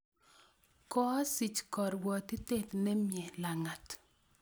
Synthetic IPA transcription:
kɔ˦si˨t͡ʃkɔ˨ɾwɔ˨t̪ɪ˦te˦t̪nɛ˦mjɛ˨la˨ŋa˨t

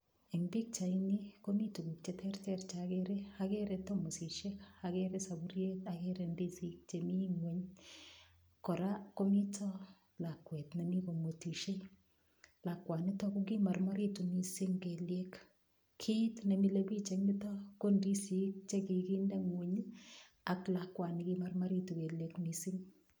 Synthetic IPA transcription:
i˨mbi˦k̚t͡ʃa˨ini˦ko˦mi˦tu˨ɡu˨kt͡ʃe˦tʰɛ˦rtɛ˦ɾt͡ʃaɡeɾea˦ɡe˦ɾɛ˨to˦mo˨si˨ʃe˦ka˨ɡeɾe˦sa˨buɾje˦ta˨ɡeɾe˨ndi˦si˦k̚t͡ʃe˨mi˦ŋwe˨ɲ | kɔ˨ɾa˦ko˦mi˦tʰɔ˦ | la˨kwɛ˨tna˨mi˦ko˨mo˨ti˨ʃe˦ | la˨kːwa˨ni˦tɔ˦ku˦ki˦ma˨rma˦ɾi˦tu˨ni˦sɪ˦ŋke˨lje˦k | kʰi˦tne˨mi˦le˦bi˦t͡ʃe˨mɪ˦tɔ˦ko˦ndi˦si˦k̚t͡ʃe˦ki˨ki˦nde˦ŋwe˨ɲ˦ | a˨kla˨kːwa˨ni˨ki˦ma˦ɾma˦ɾi˦tu˨ke˨ljekni˨si˦ŋ

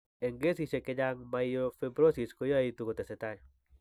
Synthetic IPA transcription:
e˨ŋɡe˦si˦se˨ke˦d͡ʒa˦ŋma˨ijofebɾo˦si˨sko˦jo˦a˦it̪uko˨t̪e˨se˨taɲ

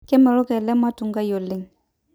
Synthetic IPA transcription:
kɛ˦mɛ˨lɔ˦kɛ˨lɛ˦ma˦tu˨ŋɡa˦jo˨lɪ˦ŋ

